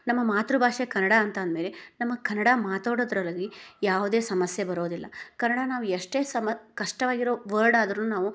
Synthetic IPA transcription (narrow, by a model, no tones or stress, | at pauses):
nɐmːɐmaːt̪ɾubʱaːʂekɐnːɐɽaɐnt̪aːnd̪me̞ːlenɐmːɐkɐnːɐɽamaːt̪oːɽod̪ɾɐlɐɡijaːʋud̪eːsɐmɐsjɐbɐɾoːd̪ilːɐkɐnːɐɽanaːʋujeʂʈe̞ːsɐmɐkɐʂʈɐʋaːɡiɾo̞ːʋəɾɖaːd̪ɾɐnunaːʋu